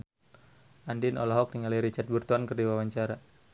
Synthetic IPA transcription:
ʔandinɔ̰laɦɔk̚niŋaliɾit͡ʃat̪̚burt̪uankərdiwawaɲt͡ʃaɾa

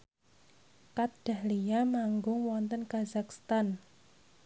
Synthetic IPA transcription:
kat̪̚d̥a̤hlijamaŋɡʊŋwɔnt̪ənkazak̚st̪an

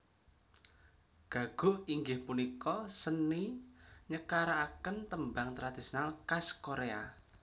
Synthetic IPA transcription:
ɡ̥a̤ɡ̥ʊ̤ʔiŋɡɪhpunikɔsənːiɲəkaɾaakənt̪əmbaŋt̪ɾad̪̥isinalkaskoɾea

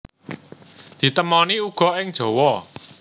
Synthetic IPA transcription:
d̪̥i̤t̪əmɔniuɡ̥ɔ̤ɪŋd̥ʒ̥ɔ̤wɔ

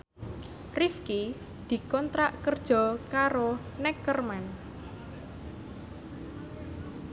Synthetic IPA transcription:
rifki | d̪̥i̤kɔnt̪ɾaʔkərd̥ʒ̥ɔ̤kaɾo | nɛkːərman

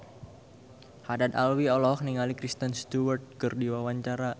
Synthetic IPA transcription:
hadat̪alwiɔlɔhniŋalikɾist̪ənst̪uwərt̪̚kərdiwawaɲt͡ʃaɾa

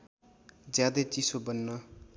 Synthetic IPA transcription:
d͡zjad̪et͡sisobʌnːʌ

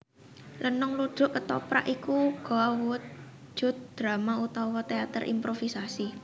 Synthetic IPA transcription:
lʔənʊŋlud̥ʒ̥ʊ̤ʔpət̪ɔpɾa̰ʔikuɡ̥ɔ̤awuwət̪̚ | ʒ̥ʊ̤t̪̚d̪̥ɾamaut̪ɔwɔt̪eat̪ərʔḭmpɾofisasi

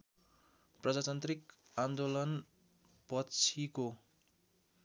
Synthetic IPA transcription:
prʌd͡zat̪ʌnt̪rik | and̪olʌn | pʌtt͡sʰiko

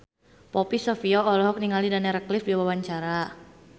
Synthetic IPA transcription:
pɔpisɔfiɔɔlɔɦɔk̚niŋalidanɛɾəklɪfdiwawaɲt͡ʃaɾa

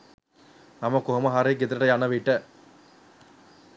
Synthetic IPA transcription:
namɐkoɦɐmɐɦaɾeɡet̪ɐɾɐʈɐjanɐʋiʈːə

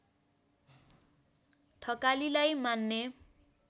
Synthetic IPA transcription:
t̪ʰʌkalilajmanːe

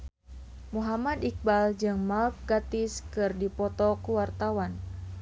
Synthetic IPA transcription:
muɦamad̪ik̚bald͡ʒɨŋmalp̚ɡat̪ɪskɨrdipɔt̪ɔkuwart̪awan

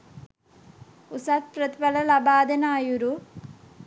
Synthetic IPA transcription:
usat̪̚pɾɐt̪ibɐlɐlabaːd̪ɐnaːjuɾu

